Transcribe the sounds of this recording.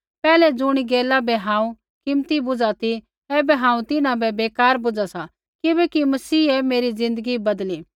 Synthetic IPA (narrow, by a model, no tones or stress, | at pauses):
pɛːlɛd͡zʊɽ̃iɡeːlabɛɦãːũ | kɪmt̪ibʊd͡zat̪i | ɛːbɛɦãːũt̪ɪnãbɛbeːkaːɾbʊd͡ʒasa | kɪbɛkimɐsiːɛmeːɾizɪ̃nd̪əɡibɐd̪liː